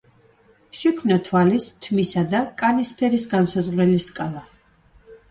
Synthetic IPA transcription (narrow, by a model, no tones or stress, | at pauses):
ʃɛkʰmnat̪ʰwalist̪ʰmisad̪akʼanispʰɛɾisɡansazʁɾɛliskʼalˠa